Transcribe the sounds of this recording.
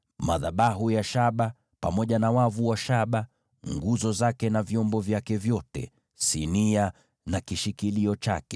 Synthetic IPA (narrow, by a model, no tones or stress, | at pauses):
ma̰ðaɓaɦujaʃaɓa | pa̰mɔʄanawavuwaʃaɓa | ŋɡuzɔzakɛnavjɔmbɔvjakɛvjɔtɛ̰ | sinia | nakiʃikiliɔt͡ʃa̰kɛ